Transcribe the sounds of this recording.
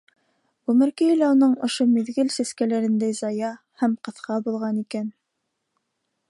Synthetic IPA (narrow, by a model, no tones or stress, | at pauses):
umɘ̆ɾkɘlæunɤɴŏ̰ʃomiðɡɘlsæskælæɾɘ̆nd̪æjzɑjɑ | hæmqɤ̆θqʰɑbulˠʁɑnikæn